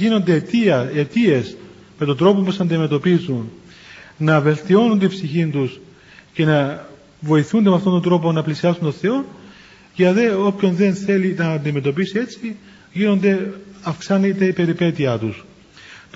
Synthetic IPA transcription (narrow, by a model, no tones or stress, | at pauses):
ino̞nd̪et̪iet̪ie̞s | me̞t̪od̪ɾo̞popusɐnd̪ime̞t̪o̞pizun | nɐve̞lt̪io̞nund̪ipsiçint̪us | ce̞nɐ | vo̞iθund̪emeɐft̪ot̪ond̪ɾo̞po̞nɐplisiɐsunt̪o̞nθe̞o̞n | ʝɐðe̞o̞pço̞nðe̞nθe̞linɐːnd̪ime̞t̪o̞pisie̞t͡si | ʝino̞nd̪e̞ɐfksɐnit̪e̞ipe̞ɾipe̞t̪iɐt̪us | t̪